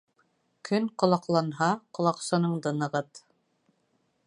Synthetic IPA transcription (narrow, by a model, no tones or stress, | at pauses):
kʰɵnqŏlˠɑqlˠɑnɦɑqŏlˠɑqsɤ̆nɤɴd̪ɤ̆nɤ̆ʁɤt̪